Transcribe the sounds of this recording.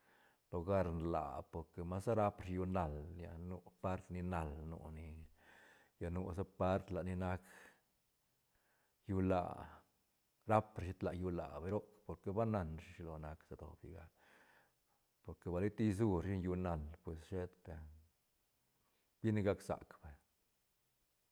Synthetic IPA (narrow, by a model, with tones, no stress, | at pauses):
lo˨ɡa˦˧ɾnla̰˨po˨ɾke˨ma˦sa˦ɾa˦pʂju˧na˧lja̰˧nu˧pa˦ɾt̪ni˧na˧lnṵ˧ni˧ | ja˧nu˧sa˦pa˦ɾt̪la˨ni˧na˧k | ju˧la̰˧˨ | ɾa˦pɾʃi˧˦t̪la˨ju˧la̰˨be˧˦ɾo˦kpo˧ɾke˧ba˦na˧nʂi˧ʂi˧lo˧na˧ksa˧d̪o̰˨bjḭ˨ɡa˧ | po˧ɾke˨ba˧li˦t̪i˦˧z̬u˦ɾʃi˦nju˧na˧lpwe˨sʃe˦t̪be˨ | b̥i˦ni˧ɡa˦ksa̰˨kb̥e˨